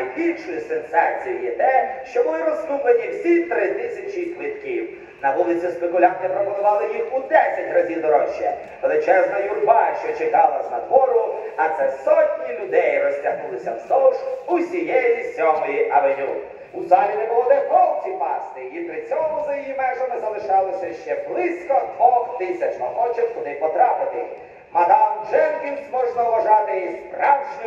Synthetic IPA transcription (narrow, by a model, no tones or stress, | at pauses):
jbʲilʲʃʊjisensɑt͡sʲijijɛt̪ɛʃt͡ʃɔbʊlˠɪɾɔsnublˠenʲiwsʲit̪ɾɪt̪ɪsʲɐt͡ʃizʲlˠɪt̪kʲiw | nɐʋulˠɪt͡sʲispekʊlʲɑnt̪ɪpɾɔmɔnʊʋɑlˠɪjixud̪ɛsʲɐtʲrɐzʲiwd̪ɔɾɔʃːɛ | ʋelˠɪt͡ʃɛznɐjʊrbɑʃt͡ʃɔt͡ʃekɑlˠɐznɐd̪ʋɔɾʊɐt̪sɛsɔtʲnʲilʲʊd̪ɛjrɔsʲtʲɐɦnulˠɪsʲɐwsɔʃusʲijɛjjisʲɔmɔjiʔɐʋelʲu | uzɑlʲinɛbɔlˠɔd̪ɪʋɔlˠt͡sʲipɑ̰st̪ɪipɾɪt͡sʲɔmʊzɐjijimɛʒɐmɪzɐlˠɪʃɑlˠɪsʲɐʃt͡ʃɛblˠɪsʲkɔd̪ʋɔxt̪ɪsʲɐt͡ʃnɐxɔt͡ʃɐt̪ʲkɔd̪ɪpɔt̪ɾɑpɪt̪ɪ | mɐd̪ɑwt͡ʃɛnkʲinsʲmɔʒnɐwʋɐʒɑt̪ɪispɾɑwʒnɔ